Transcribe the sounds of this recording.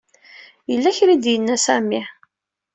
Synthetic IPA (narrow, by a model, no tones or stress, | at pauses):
jəlːæçɾid̪jənːæsæmi